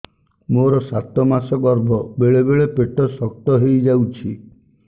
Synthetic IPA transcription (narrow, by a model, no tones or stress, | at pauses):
moɾɔsat̪ɔmasɔbɔɾbʱɔbeɭebeɭepeʈɔsɔk̚ʈɔɦejd͡ʒawt͡ʃʰi